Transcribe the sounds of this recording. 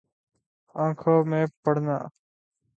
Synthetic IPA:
ãːkʰoːmẽːpəɽna̰ː

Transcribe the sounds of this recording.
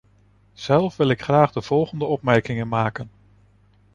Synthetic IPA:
z̥ɛlˠfʋɪlɪkχraːχdəv̥ɔlˠχəndəɔpmɛɹkɪŋənmaːkən

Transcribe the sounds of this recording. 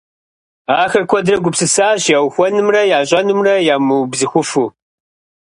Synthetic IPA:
aːxɐrkʷʰɔdrɐɡʷʊpsɨsaːɕjaːwxʷɔnɨmrɐjaːɕʼɐnɨmrɐjaːmubzɨxʷʊfuː

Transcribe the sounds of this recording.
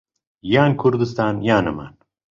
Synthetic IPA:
jaːnkʰuɾd̪ɨs̬t̪ʰaːnjaːnɐma̰n

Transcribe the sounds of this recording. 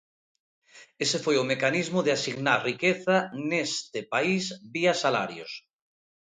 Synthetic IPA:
esefojomekanizmoðeasiɣnaɾrikeθanest̪epaizβiasala̰ɾjo̰s

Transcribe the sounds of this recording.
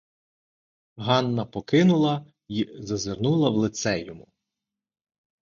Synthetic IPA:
ɦɑnːɐpɔkɪnʊlˠɐ | izɐzernulˠɐwlˠɪt̪sɛjɔmʊ

